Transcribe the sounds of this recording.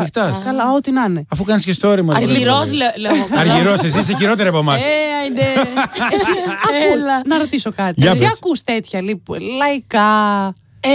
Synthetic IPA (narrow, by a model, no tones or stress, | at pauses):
ixt̪ɐskɐlɐot̪inɐneɐfukɐniscest̪o̞ɾimɐɐɾiɾosleleɐɾʝiɾosesiseçiɾo̞t̪eɾɐpomɐseineesiɐpolɐnɐɾo̞t̪isokɐt̪iʝɐɐkust̪et̪çɐlipulɐikɐ